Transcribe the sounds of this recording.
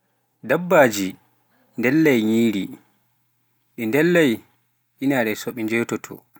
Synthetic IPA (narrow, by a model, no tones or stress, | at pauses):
dabːaːd͡ʒi | ndɛlːajɲiːɾi | ɗindɛlːaj | ʔinaːɾɛsoɓiɲd͡ʒɛtɔtʰɔ̰